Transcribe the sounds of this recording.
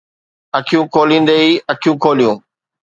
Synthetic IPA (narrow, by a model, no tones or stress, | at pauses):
ɐkʰijũːkʰoːlĩːnd̪eːiːɐkʰijũːkʰoːlijũː